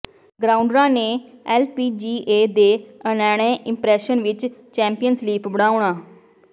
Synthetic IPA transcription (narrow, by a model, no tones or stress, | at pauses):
ɡɾaːʊɳɖɾãːneːɛːlpiːd͡ʒiːʔeːd̪eːənɛːɽ̃ẽːʔɪmpɾɛːʃənʋɪt͡ʃt͡ʃɛ̃ːmpijənsliːpbəɽaːʊɳaː